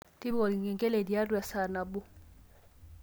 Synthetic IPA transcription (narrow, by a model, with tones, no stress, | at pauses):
ti˦bɔ˨li˨ŋɛ˨ŋɡʼɛ˦le˨di˨a˦dwɛ˨sa˨na˨bʊ˦